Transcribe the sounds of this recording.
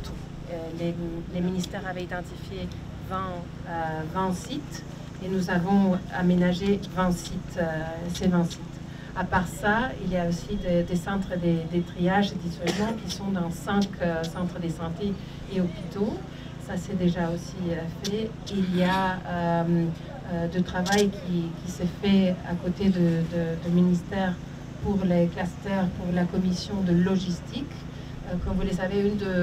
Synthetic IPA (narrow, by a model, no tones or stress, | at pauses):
t̪ | leleminist̪ɛʁavɛid̪ɑ̃t̪ifje | vɑ̃ | øvɑ̃sit̪ | enuzavɔ̃a̰menaʒevɑ̃sit̪sevɑ̃sit̪ | apaʁsailjaosid̪ed̪esɑ̃t̪χəd̪ed̪et̪χijaʒed̪it̪ɛlmɑ̃kʲisɔ̃d̪ɑ̃sɛ̃kʰøsɑ̃t̪χəd̪esɑ̃t̪e | eɔpit̪o | sasɛd̪eʒaosiəfɛ | iljaøm | ød̪ət̪χavajkʲʰikʲisɛfɛa̰kot̪ed̪əd̪əd̪əminist̪ɛːʁ | puʁlekast̪ɛʁpuʁlakɔmisjɔ̃d̪əlɔʒist̪ik | økɔmvuləsaveynd̪ə